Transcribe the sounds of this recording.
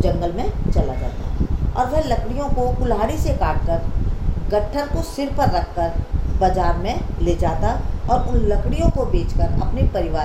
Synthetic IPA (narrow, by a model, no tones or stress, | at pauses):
d͡ʒɐ̃ŋɡəlmẽt͡ʃɐlad͡ʒa̰ːt̪a̰ɔ̰ːɾʋɛlɐkɽijõkokʊlɦaːɽisekaːʈ̚kɐɾɡɐʈʰːəɾkosɪɾpɐɾːɐkʰːəɾbɐd͡ʒaːɾmẽleːd͡ʒaːt̪aɔːɾʊnlɐkɽijõkobeːt͡ʃkəɾɐ̰pnipɐɾɪʋaː